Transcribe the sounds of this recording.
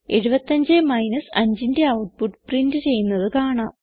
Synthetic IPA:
e̞ɻubɐt̪ːɐɲd͡ʑemɐjnɐsɐɲd͡ʑinde̞ɐwʈ̚puʈːprindɨt͡ɕe̞jːunːɐðɨkaːɳa̰ːm

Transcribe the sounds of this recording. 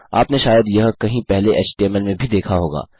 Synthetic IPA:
a̰ːpneʃaːjəd̪jɐɦkɐɦĩpɛɦleʔɛːt͡ʃʈiɛːmɛlmẽbʱid̪eːkʰaɦoːɡa̰ː

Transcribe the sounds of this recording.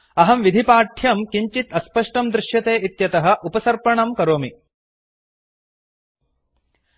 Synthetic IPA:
ɐɦɐmʋid̪ʱipaːʈʰjɐmkiɲt͡ʃit̪ɐspɐʂʈɐmd̪ɾɪʃjɐt̪eːʔit̪jɐt̪ɐɦɐ̆ʔupɐsɐɾpɐɳɐmkɐɾoːmi

